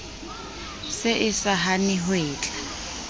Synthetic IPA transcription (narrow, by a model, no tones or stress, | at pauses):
sɪʔɪsaɦanɪɦweːt͡ɬʼa